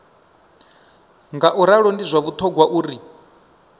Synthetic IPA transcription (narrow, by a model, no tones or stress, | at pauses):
ŋɡaʔuɾaɺɔndizʷaβut̪ʰɔɡwaʔuːɾi